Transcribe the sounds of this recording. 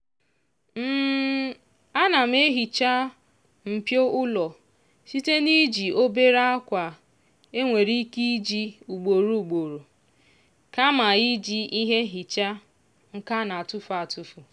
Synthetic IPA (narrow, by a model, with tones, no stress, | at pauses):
m̩ː˦ | a˦na˨m̩˦e˦ɦi˨t͡ʃa˦ | m̩˨pjo˦ʊ˦lɔ˨ | si˦te˦ni˦d͡ʒi˨o˦be˦ɾa˦a˦kʷa˨ | e˦ŋʷe˨ɾi˦ki˦d͡ʒi˦u˨ɡ͡bo˨ɾu˦u˨ɡ͡bo˨ɾu˨ | ka˦ma˨i˦d͡ʒi˦i˦ɦe˦ɦi˨t͡ʃa˦ | ŋ̩˦ka˦na˨tʊ˦fu˨a˨tu˦fu˨